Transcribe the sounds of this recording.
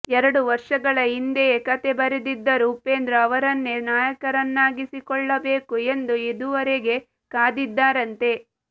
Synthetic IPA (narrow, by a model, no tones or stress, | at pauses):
ɛɾɐɽuʋɐɾʂɐɡɐɭɐind̪ekɐt̪e̞bɐɾed̪id̪ːɐɾuːpe̞ːnd̪ɾɐɐʋɐɾɐnːenaːjɐkɐɾɐnːaːɡisikɔɭːɐbe̞ːkuend̪ued̪uʋɐɾeɡe̞ | kaːd̪id̪ːaːɾɐnt̪e̞